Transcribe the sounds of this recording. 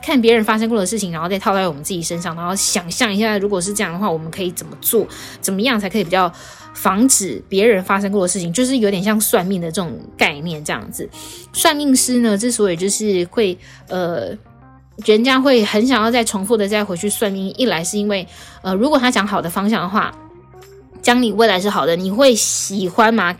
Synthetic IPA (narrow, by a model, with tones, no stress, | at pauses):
kʰa˥˩np̬jɛ˧˥ɻə˧˦˥nfa˥ʂ̬ɤ˥ŋkwɔ˥˩d̪ə˩ʂɻ̩˥˩t͡ɕi˨˩ŋɻnxo˥˧t͡sa˥˧tʰʊt͡sʰɪwɔ˨˩mə˦nt͡sɹ̩˥˩t͡ɕi˨˩ʂə˥nʂ̬ɑ˥˩ŋna˧˥nxo˥˩ʊɕjɑ˨˩ŋɕjɑ˥˩ŋi˧˥ɕ̬ja˥˩ɻu˧˥kwɔ˨˩ʂ̬ɻ̩˥˧ʈ͡ʂɤ˥˧jɑ˥˩ŋd̪ə˩xwa˥˩wɔ˨˩mə˦nkʰɤ˧˥i˨˩t͡sə˨˩nmə˦t͡swɔ˥˩ | t͡sə˨˩nmə˦jɑ˥˩ŋt͡sʰa˧˥ɪkʰɤ˧i˨˩pi˨˩t͡ɕjɑ˥˩ʊ | fɑ˧˥ŋʈ͡ʂɻ̩˨˩pjɛ˧˥ɻə˧˥nfa˥ʂ̬ɤ˥ŋkwɔ˥˩ə˩ʂɻ̩ʰ˥˩i˨˩ŋt͡ɕjo˥˧ʊʂ̬ɻ̩˥˩jo˧˥t̪jɛ˨˩nɕjɑ˥˧ŋswa˥˧nmi˥˩ŋd̪ə˩ʈ͡ʂɤ˥˩ʈ͡ʂʊ˨˩ŋka˥˧ɪnjɛ˥˩nʈ͡ʂɤ˥˧jɑ̰˥˩ŋd͡zɹ̩˩swa˥˧nmi˥˧ŋʂɻ̩˥nə˨˧ʈ͡ʂɤ˥˩swɔ˧˥i˨˩t͡ɕjo˥˧ʊʂɻ̩˥˧xwe˥˩ɪ | ə˧˩ | t͡ɕɥɛ˧˥ə˥˩t͡ɕja˥xwe˥˩ɪxə˧˥nɕjɑ˨˩ŋjɑ˥˧t͡sa˥˩ɪʈ͡ʂʰʊ˧˥ŋfu˥˩d̪ə˩t͡sa˥˧ɪxwe˧˥ɪt͡ɕʰy˥˧swa˥˧nmi˥˩ŋi˥˩la˧˥ɪʂɻ̩˥˩i˥nwe˥˩ɪə˧˩ɻu˧˥k̬wɔ˨˩t̪ʰa˥t͡ɕjɑ˧˥ŋxɑ˨˩ʊd̪ə˦fɑ˥ŋɕ̬jɑ˥˩ŋd̪ə˩xwa̰˥˩ | t͡ɕjɑ˥ŋni˨˩we˥˩la˧˥ɪʂɻ̩˥˩xɑ˨˩ʊd̪ə˦ni˨˩xwe˥˩ɪɕi˨˩xwa˦˥nmɐ˨